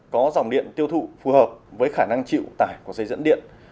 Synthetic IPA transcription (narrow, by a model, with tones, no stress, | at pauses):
kɔ˨˦za˨˩wŋ͡mɗḭ˧˨ənt̪i˧əwt̪ʰṵ˧˨fu˨˦həː˨˩p̚vəː˨˦jxaː˧˩na˧ŋt͡ɕḭ˧˨wt̪aː˨˧˩jku˧˩sə˧jzə̰˧˥nɗḭ˧˨ən